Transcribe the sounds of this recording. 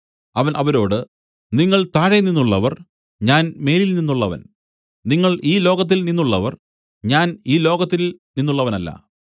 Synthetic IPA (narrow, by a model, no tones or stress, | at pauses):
ɐʋɐnʔɐʋɐɾo̞ːɽɨ | niŋːɐɭt̪aːɻeninːuɭːɐʋɐr | ɲaːnme̞ːlilninːuɭːɐʋɐ̰n | niŋːɐɭiːlo̞ːɡɐt̪̬ːilninːuɭːɐʋɐr | ɲaːniːlo̞ːɡɐt̪ːilninːuɭːɐʋɐnɐlːɐ̰